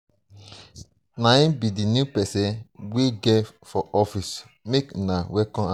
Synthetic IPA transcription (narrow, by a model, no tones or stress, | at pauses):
nãĩbidinjupɛsɛ̃nweɡɛfɔʔɔfis | meknawɛkɔ̃a